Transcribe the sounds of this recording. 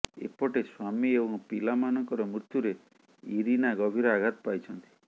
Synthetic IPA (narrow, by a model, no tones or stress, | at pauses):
ḛpɔʈeswamiebɔŋpilamanɔŋkɔɾɔmɾut̪juɾe | iɾinaɡɔbʱiɾɔaɡʱat̪ɔ̥pajt͡ʃʰɔnt̪i̥